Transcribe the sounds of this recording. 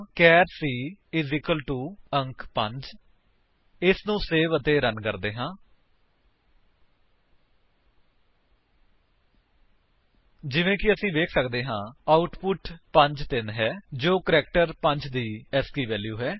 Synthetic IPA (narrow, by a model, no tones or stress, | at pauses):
kɛːɾsiːɪzɪkəlʈuːəŋkpə̃ɲd͡ʒ | ɪsnũːseːʋət̪eːɾənkəɾd̪eːɦãː | d͡ʒɪʋẽːkɪəsĩːʋeːkʰsəkd̪eːɦãːaːʊʈpʊʈpə̃ɲd͡ʒt̪ɪnɦɛːd͡ʒoːkəɾɛːk̚ʈəɾpəɲd͡ʒd̪iːɛskiːʋɛːljuːɦɛː